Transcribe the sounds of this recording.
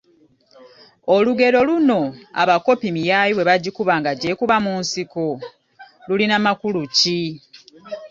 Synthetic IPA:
oluɡe̞ɾo̞luno̞a̰βako̞pimijajiwe̞βaɟikuβaːŋɡaɟe̞kuβamuːnsiko | lulinamakuluci

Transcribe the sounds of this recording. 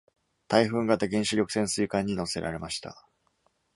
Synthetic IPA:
t̪aiɸɯ̟̃ŋɡat̪ːaɡẽ̞ɰ̃ɕɨɾʲo̞kɯ̟̥sẽ̞ɰ̃sɨikãɲ̟ːino̞se̞ɾa̰ɾe̞maɕi̥t̪a̰

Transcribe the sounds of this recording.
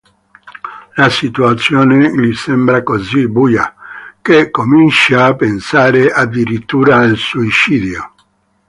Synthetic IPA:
lasit̪uat̪sːjɔːneʎisɛmbɾakozibuːja̰kekːomint͡ʃaːpːensaːɾeʔad̪ːiɾit̪ːuːɾalsuit͡ʃiːd̪jo

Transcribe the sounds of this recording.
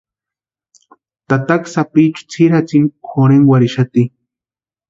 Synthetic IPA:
t̪at̪aksapit͡ʃu̥t͡sʰiɾat͡sinkʰoɾeŋwaɾiʃat̪i

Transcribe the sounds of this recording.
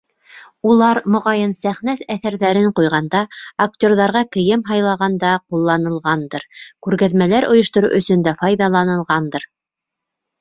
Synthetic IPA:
ulˠɑɾmŏʁɑjɤnsæχnæθæθæɾðæɾɘɴqujʁɑnd̪ɑak̚tʲo̞rðɑɾʁɑkɘ̆jɘmɦɑjlˠɑʁɑnd̪ɑqulˠːɑnɤ̆lˠʁɑnd̪ɤɾkʉɾɣæðmælæɾŏjŏʃt̪ŏɾṵʔɵ̆sɵ̆nd̪æfɑjðɑlˠɑnɤ̆lˠʁɑnd̪ɤɾ

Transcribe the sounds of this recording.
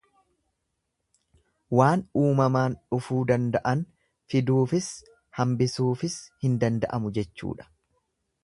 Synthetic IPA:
waːnuːmɐmaːnᶑʊfuːd̪ɐnd̪ɐʔɐn | fɪd̪uːfɪs | hɐmbɪsuːfɪshɪnd̪ɐnd̪ɐʔɐmʊd͡ʒɛt͡ʃːṵːᶑɐ̥

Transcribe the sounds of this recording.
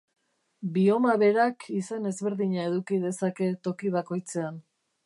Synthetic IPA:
bio̞maβe̞ɾakisane̞zβe̞ɾðiɲae̞ðukið̞e̞sake̞t̪o̞kiβako̞jt͡se̞an

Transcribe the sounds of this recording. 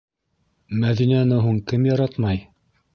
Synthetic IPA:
mæðinænɘɦuɴkɘmjɑɾɑt̪mɑj

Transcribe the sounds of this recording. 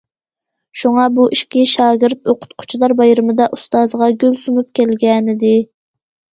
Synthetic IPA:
ʃuŋɑbuʔiʃkʲiʃɑːɡʲɪɾt̪oqʰʊ̥t̪̚qʰʊ̥t͡ʃʰlˠɑɾbɑjɾɨmɨd̪ɑʔust̪ɑzʁɑɡʲølsunup̚kʲɛlɡʲɛnɪd̪ɪ

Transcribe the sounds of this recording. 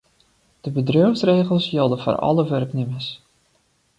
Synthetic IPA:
d̥əbədrøfsreːɣəlˠsjɪlˠdəfo̰rɑ̰ləʋœrknɪməs

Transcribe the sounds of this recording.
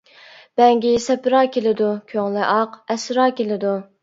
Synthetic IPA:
b̥ɛŋɡʲisɛpɾɑːkʲelɪd̪ukʲʰøŋlɪʔɑqɛsɾɑːkʲelɪd̪u

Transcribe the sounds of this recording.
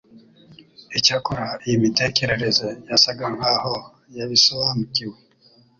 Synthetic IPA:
it͡ʃakuɾajimitekeɾeɾezejasaɡaŋ̥aho | jaβisowamukiwe

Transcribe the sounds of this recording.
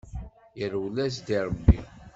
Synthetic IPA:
jəɾwlæs̬d̪iɾˤəbːḭ

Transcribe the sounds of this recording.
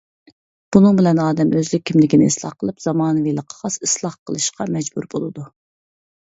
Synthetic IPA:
b̥unɨŋbɪlɛnɑːd̪ɛmøzlɪk̚ʲʰːimlɪkʲinɪ̰islˠɑ̰χqʰəlˠɨpz̥ɑmɑːnɨvilˠəqʰːɑ̥ʁɑsɨslˠɑχqʰəlˠɨʃqʰɑmɛd͡ʒbṵɾbolˠɨd̪u

